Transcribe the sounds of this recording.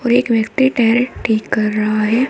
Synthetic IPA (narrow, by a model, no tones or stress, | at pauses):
ɔːɾeːkʋjɐkt̪iʈɛːɾʈʰiːkːɐɾːɐɦaɦɛː